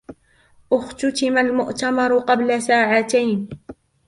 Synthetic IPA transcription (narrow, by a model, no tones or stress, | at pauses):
ʔʊxt̪ʊt̪ɪmalmʊʔt̪amɑɾˤʊqɑblasaːʕat̪ajn